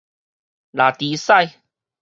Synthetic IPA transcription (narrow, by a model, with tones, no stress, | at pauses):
la˨˩t̪iː˨˦sa˥˧j